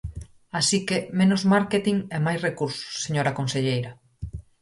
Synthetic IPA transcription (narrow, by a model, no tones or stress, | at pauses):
asikemẽnozmaɾket̪iŋemajsrekuɾsʊ̥sseɲoɾakõnseʎejɾa